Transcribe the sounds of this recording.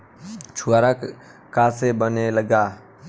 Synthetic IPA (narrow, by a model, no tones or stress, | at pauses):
t͡ʃʰuaɾək | kasebəneləɡa